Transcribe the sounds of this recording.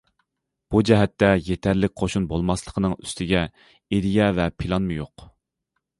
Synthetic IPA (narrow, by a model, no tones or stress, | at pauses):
b̥ud͡ʒɛɦɛt̪ːɛjet̪ʰæɾlɪk̚ʲqʰoʃunbolˠmɑslˠəqʰənɨŋyst̪ʰɪɡʲɛ | eɾijɛvɛpʰilˠɑnmɨjoq